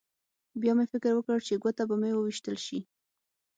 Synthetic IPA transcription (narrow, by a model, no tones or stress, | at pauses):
bjɑmefɪkɪɾwəkəɽt͡ʃeɡwat̪abamewəwiʃt̪əlʃi